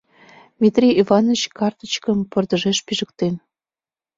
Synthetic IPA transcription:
mʲit̪rʲiivɑnot͡ɕkɑrt̪ə̥̆t͡ɕkəmpə̆rd̪ə̆ʒeʃpiʒə̆kt̪en

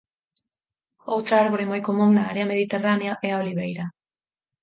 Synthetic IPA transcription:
owt̪ɾaːɾβoɾemojkomuŋnaːɾeame̞ð̞it̪e̞raneaʔeaoliβejɾa

